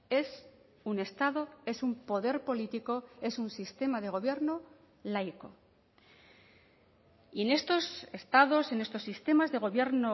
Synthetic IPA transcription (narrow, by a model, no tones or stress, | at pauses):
e̞s | une̞st̪aðo̞e̞sumpo̞ðe̞ɾpo̞lit̪iko̞e̞sunsist̪e̞mað̞e̞ɣ̞o̞β̞je̞ɾno̞ | lajko̞̰ | ie̞ne̞st̪o̞se̞st̪aðo̞se̞ne̞st̪o̞sːist̪e̞mazðe̞ɣ̞o̞βje̞ɾno